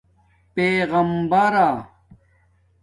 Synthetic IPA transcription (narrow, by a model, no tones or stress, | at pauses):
peːɣɐmbɐɾa